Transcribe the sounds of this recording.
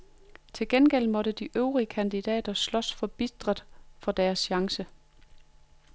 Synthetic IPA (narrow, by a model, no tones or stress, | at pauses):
t͡sʰe̝lɡ̥enɡ̥el̰mɒ̽ɾ̥əd̥iʔøʊʁiəkʰænd̥id̥ɛ̰ːd̥ɐslɒ̽sfɒ̽b̥id̥ʁɐð̥ˠfɒ̽d̥æːɐsɕɑ̈ŋsə